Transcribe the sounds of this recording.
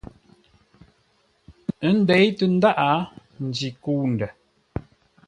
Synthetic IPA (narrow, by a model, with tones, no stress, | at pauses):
ə˦n˦dɛ˨˦jtə˦n̩˦da˦ʔa˨˦ | n̩˨d͡ʒi˨kuː˦n˨də˨